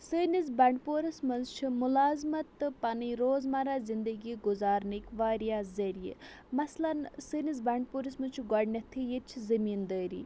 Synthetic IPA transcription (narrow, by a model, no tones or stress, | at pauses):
səːniz̬baɳɖpoːɾɐsmɐnt͡ʃʰimʊlaːzmɐt̪ɨpɐniɾoːzmaːɾaːzind̪əɡiɡʊzaːɾnikʋaːɾijaːzɐɾijḛ | mɐslɐnsɨːniz̬bɐɳɖ̚puːɾismɐnt͡ʃʰɡɐɖnɐt̪ʰijet͡ʃʰzɐmiːnd̪əːɾḭː